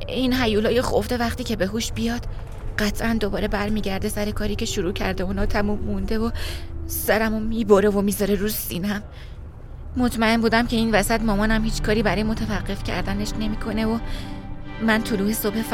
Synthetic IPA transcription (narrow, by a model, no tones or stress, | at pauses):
inɦæjuːlɒːjexofd̪e̞væχt̪iːcʰe̞be̞ɦuːʃbijɒːd̪̥ | ɢæt̪ʰʔænd̪o̞bɒːɾe̞bæɾmiːɟæɾd̪e̞sæɾe̞kʰɒːɾiːcʰe̞ʃuɾuːcʰæɾd̪euːnɒːt̪ʰæmumːund̪e̞vosæɾæmomiːboɾe̞vomiːzɒɾe̞ɾusiːnæmː | o̞t̪ʰmæe̞nbuːd̪æmcʰe̞iːnvæsæt̪mɒːmɒːnæmhiːt͡ʃʰkʰɒːɾibæɾɒːjemo̞t̪ʰævæɢːe̞fcʰæ̰ɾd̪æne̞ʃne̞miːkʰo̞ne̞vo | mænt̪ʰoluːhe̞sob̥hef